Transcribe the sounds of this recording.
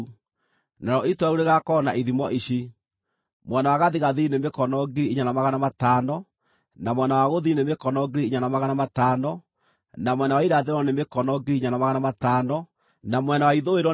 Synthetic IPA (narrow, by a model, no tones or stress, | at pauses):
naɾɔitwauɾeɣakɔnaʔiðimɔʔiɕi | mwɛnawaɣaðiɣaðinemekɔnɔɡeɾiiɲanamaɣanamatanɔ | namwɛnawaɣoðinemekɔnɔɡeɾiiɲanamaɣanamataːnɔ | namwɛnawaiɾaðeɾɔnemekɔnɔɡeiɲanamaɣanamataːnɔ | namwɛnawaiðoeɾwɔ